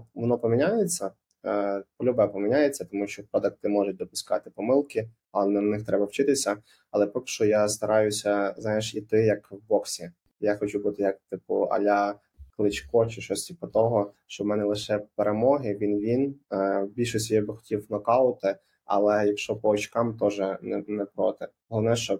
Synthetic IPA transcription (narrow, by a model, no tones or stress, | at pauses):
ʋɔnɔpɔmʲinʲajet͡sʲːɐ | pɔlʲʊbɛpɔmʲinʲajet͡sʲːɐt̪ɔmuʃt͡ʃɔpɾɔd̪ɐk̚t̪ɪmɔʒʊt̚ʲd̪ɔpʊskɑ̰t̪ɪpɔmɪlˠkɪ | ɐnɛnɪxt̪ɾɛbɐwt͡ʃɪt̪ɪsʲɐ | ɐlˠɛpɔkɪ̥ʃɔjast̪ɐɾɑjʊsʲɐznɑjeʃit̪ɪjɐkbɔksʲi | jaxɔt͡ʃubut̪ɪjɐk̚t̪ɪpʊ̰ɐ̰lʲa | klˠɪt͡ʃkɔt͡ʃɪʃɔsʲt̪ʲipɔt̪ɔɦɔʃt͡ʃɔmɛnɛlˠɪʃɛpeɾemɔɦɪʋʲinʋʲinbʲilʲʃɔsʲtʲijɛbɪxɔ̥tʲiwnɔkɑlˠʊt̪ɪ | ɐ̰lˠɛjɐkʃɔpɔɔt͡ʃkɑmt̪ɔʒɛnɛnɛpɾɔt̪ɪ | ɔlˠɔʋnɛʃt͡ʃɔ